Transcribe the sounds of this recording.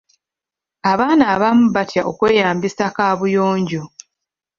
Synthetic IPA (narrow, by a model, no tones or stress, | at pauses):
aβaːnaːβamuβatjaʔo̞kwe̞ːjaːmbisakaːβujoːɲɟo